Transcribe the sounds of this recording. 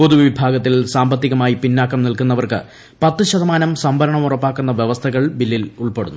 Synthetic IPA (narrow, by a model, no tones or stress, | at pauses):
po̞ðuʋʋibʱaːɡɐt̪ːilsaːmbɐt̪ːiɣɐmaːjipinːaːkːɐmnilkunːɐʋɐrkɨ̰ | pɐt̪ːɨɕɐðɐmaːnɐmsɐmbʱɐɾɐɳɐmurɐpːaːkːunːɐʋjeʋɐst̪ʰɐɣɐɭbilːiluɭpe̞ɽṵnːu